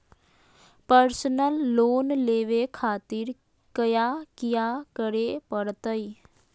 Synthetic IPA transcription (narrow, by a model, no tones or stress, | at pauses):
pəɾsənəlːoːnleːʋekʰaːt̪ɪɾ | kəjakɪjakəɾepəɽt̪əi